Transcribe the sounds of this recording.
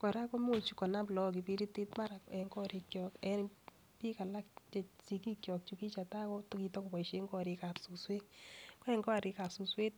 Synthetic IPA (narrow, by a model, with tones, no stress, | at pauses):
kɔ˨ɾa˦kɔ˦mo˦˨t͡ʃu˨kɔ˨na˦plɔ˦k̬i˨pi˦ɾi˦ti˦tma˦ɾa˨ɛ˨ŋɡɔ˦ɾi˨kjɔ˨kɛ˨n | pi˦ka˨la˦kt͡ʃɛ˨si˨ki˦kjɔ˨k̚t͡ʃu˨ki˦t͡ʃa˨ta˦kɔ˦tki˧tɔ˦kʊ˨pɔ˨i˨ʃe˦ŋɡɔ˦ɾɪ˧ka˨psu˨swe˦kkɔ˦ɛ˨ŋɡɔ˦a˨ɾi˧ka˨psu˨swe˦t̚